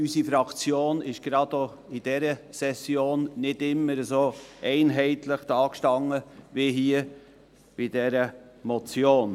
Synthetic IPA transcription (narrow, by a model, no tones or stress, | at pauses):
ysifɾɑkt͡sjoːnɪʃɡ̥ɾɑdo | ɪd̥ɛɾəsɛsjoːnːɪdɪmːəɾəzoɛɪnɦɛɪt̪ləχd̥ɑːkʃtɑŋːəviɦiːə | b̥ɪd̥ɛɾəmɔt͡sjoːn